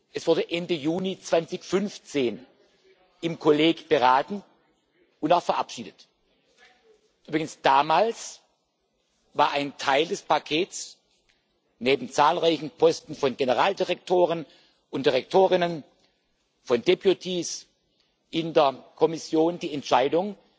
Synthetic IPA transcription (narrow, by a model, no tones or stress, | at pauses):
ʔɛsv̥ʊɐdəʔɛndəjuːnit͡sv̥ant͡sɪçfʏnft͡seːn | ʔɪmkʰoleːɡb̥əʁaːtn̩ | ʊntaʊxfɛɐʔa̰pʃiːdət | ʔyːbʁɪɡənsd̥aːmaːls | vaːɐʔaɪntʰaɪldɛspʰakʰeːtt͡s | neːbm̩t͡saːlʁaɪçn̩pʰɔstn̩fɔnɡenəʁaːldiʁɛk̚tʰoːʁ̞ən | ʊntd̥iʁɛk̚tʰoːʁ̞ɪnən | fɔndepjutʰiːs | ʔɪndeɐkʰɔmɪsjoːndiːɛntʃaɪdʊŋ